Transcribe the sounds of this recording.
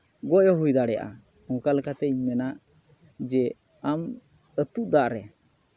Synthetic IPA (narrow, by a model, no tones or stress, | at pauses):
ɡɔjɔɦujd̪aɽɛja̰ʔa̰ | ɔ̃kalɛkat̪ɛiɲmɛnaʔ | d͡ʒɛ | am | ət̪uʔd̪aʔɾɛ